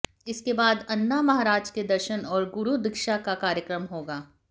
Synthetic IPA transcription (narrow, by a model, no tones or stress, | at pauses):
ɪskebaːd̪ɐnːamɐɦaːɾaːd͡ʒked̪ɐɾʃənɔːɾɡʊɾud̪ɪkʃakakaːɾjəkɾəmɦoːɡaː